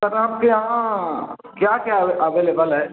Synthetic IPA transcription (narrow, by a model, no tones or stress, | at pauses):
kɐɾamkeɦã | kjakjaeʔɐʋeːlebəlɦɛː